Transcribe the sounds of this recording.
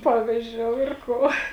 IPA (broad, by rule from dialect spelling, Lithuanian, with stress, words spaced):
ˈpɑːʋʲɪzʲd͡ʒʲoːʊ ɪr ˈkoː